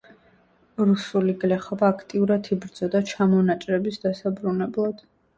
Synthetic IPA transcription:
ɾusuliɡlɛχɔbaːkʰt̪ʼiuɾat̪ʰibɾd̪z̥ɔd̪at͡ʃʰamɔnat͡ʃʼɾɛbisd̪̥asabɾunɛblˠad̪̥

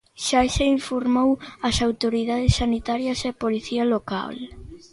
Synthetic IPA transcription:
ʃaʃeiɱfoɾmowɐsawt̪oɾiðaðɪsːanit̪aɾjɐsepoliθiɐloka̰l

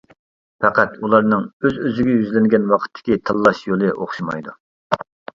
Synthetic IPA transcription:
pʰɛqæt̪ulˠɑɾnɨŋøzøzɪɡʲɛjyzlɪŋɡʲɛnwɑqʰə̥t̪ʰːɪ̥kʲit̪ʰɨlˠːɑʃjolˠɨʔoχʃimɑ̰jd̪u

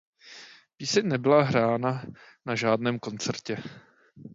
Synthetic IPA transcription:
piːsɪɲnɛbɪlaɦɾaːna | naʒaːdnɛːmko̞nt͡sɛɾcɛ

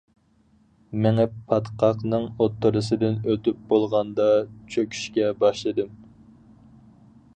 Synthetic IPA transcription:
mɪŋɛpʰɑt̪qʰɑqnɨŋot̪ːɨɾɨsɨd̪ɪnøt̪yp̚bolˠʁɑnd̪ɑt͡ʃʰøkʲʰy̥ʃkʲɛbɑʃlˠɨd̪ɨm

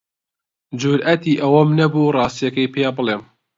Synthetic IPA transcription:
d͡ʒuɾʔɐt̪iːʔɐwɐmnɐbuːrˤɑːst̪ijɐkɐjpʰejaːbɨleːm

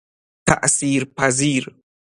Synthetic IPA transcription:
ta̰ʔsiɾpaziɾ

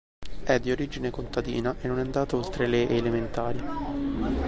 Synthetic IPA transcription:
ɛd̪ːioɾiːd͡ʒinekont̪ad̪ḭːnaʔenːonɛnd̪aːt̪aolt̪ɾeleʔeːlement̪aːɾji

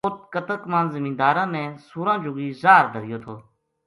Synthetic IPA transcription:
ot̪̚kət̪əkmãːnzɪmĩːnd̪aːɾãːnɛ̃ːsuːɾãːd͡ʒʊːɡiːzaːɾd̪ʱəɾɪjoːt̪ʰoː

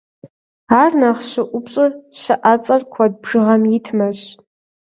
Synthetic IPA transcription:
arnaχʃɨʔʷʊpʰɕʼɨrʃaʔat͡sʼarkʷʰad̚bʐ̥ɨʁamjitʰmaɕ

